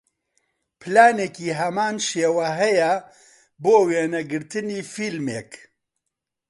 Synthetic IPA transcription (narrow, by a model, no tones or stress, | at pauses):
pʰlaːnekiːɦɐmaːnʃeːwɛɦɛjɛ | boːweːnɐɡɨɾt̪ɨniːfilmeːk